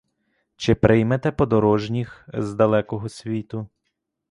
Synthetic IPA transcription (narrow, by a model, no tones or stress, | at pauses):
t͡ʃɪpɾʔɪjmet̪ɛpɔd̪ɔɾɔʒnʲixzd̪ɐlˠɛkɔɦɔsʲʋʲit̪ʊ